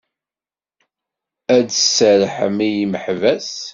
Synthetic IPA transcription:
ædsəɾħə̰mijməħvæs

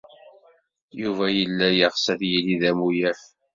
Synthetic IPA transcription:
juvæjəlːæjəʁsæθjiliðæmujæf

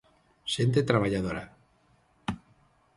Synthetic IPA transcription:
sent̪̬et̪ɾaβaʎaðoɾa̰

